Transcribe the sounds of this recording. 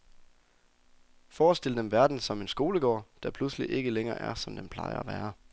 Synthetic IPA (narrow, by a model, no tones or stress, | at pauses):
fɒːsd̥e̝ləd̥emʋæɐd̥n̩sɒ̽me̝nsɡ̥o̝ːləɡ̥ɒ̰ːd̥æpʰlusliʔe̝ɡ̥əleŋɐːʔæɐsɒ̽md̥empʰl̥ɑ̈ɪɐæʋæːɐ